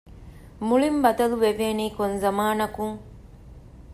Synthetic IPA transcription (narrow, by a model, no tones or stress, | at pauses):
muɭimbɐd̪ɐluʋeʋeːniːkonzɐmaːnɐkuŋ